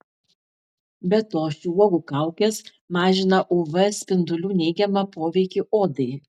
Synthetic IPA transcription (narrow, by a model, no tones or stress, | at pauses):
bʲɛt̪oːʃʲuɔɡuːkɑˑʊkʲeːs | mɑːʒʲɪnɐʔʊːʋɐsʲpʲɪnd̪ʊlʲuːnʲɛɪɡʲɛmɐpoːʋʲɛɪkʲiʔoːd̪ɐɪ